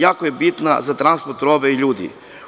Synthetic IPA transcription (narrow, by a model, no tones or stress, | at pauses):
jaːkojebit̪na̰zat̪ɾanspoɾt̪ɾobeiʎuːd̪ḭ